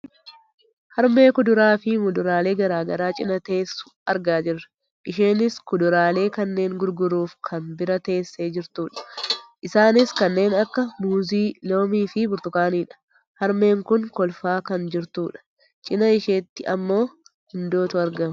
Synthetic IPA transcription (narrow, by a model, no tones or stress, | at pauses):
hɐɾme̞ːkʊd̪ʊɾaːfɪmʊd̪ʊɾaːle̞ːɡɐɾaːɡɐɾaːt͡ʃʼɪnɐt̪e̞ːsːʊ̥ɐɾɡaːd͡ʒɪrɐ | ʔɪʃeːnɪskʊd̪ʊɾaːle̞ːkɐnːe̞ːŋɡʊɾɡʊɾuːfkʰɐnbɪɾɐt̪e̞ːsːe̞ːd͡ʒɪɾt̪uːᶑɐ̥ʔɪsaːnɪskɐnːe̞ːnɐkːɐmuːziːlo̞ːmiːfɪbʊɾt̪ʊkaːniːᶑɐ̥ | hɐɾme̞ːŋkʊnkɔlfaːkɐnd͡ʒɪɾt̪uːᶑɐ̥ | t͡ʃʼɪnɐɪʃeːt̪ːɪɐmːo̞ːhʊnd̪o̞ːt̪ʊɐɾɡɐm